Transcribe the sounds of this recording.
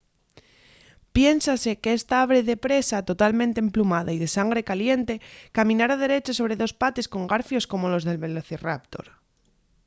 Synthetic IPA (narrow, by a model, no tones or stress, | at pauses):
pje̞nsase̞kest̪aaβɾe̞ðe̞pɾe̞sat̪o̞t̪almẽnt̪eemplumaðaiðe̞saŋɡɾe̞kalje̞nt̪e̞kamĩnaɾað̞e̞ɾe̞t͡ʃeso̞β̞ɾe̞ðo̞spat̪e̞sko̞ŋɡaɾfjo̞sko̞mo̞lo̞zðe̞lβe̞loθirap̚t̪o̞̰ɾ